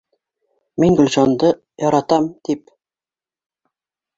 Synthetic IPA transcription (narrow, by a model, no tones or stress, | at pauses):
miŋɡɵ̆lʲʑɑnd̪ɤ | jɒɾɑt̪ɑmt̪ip̚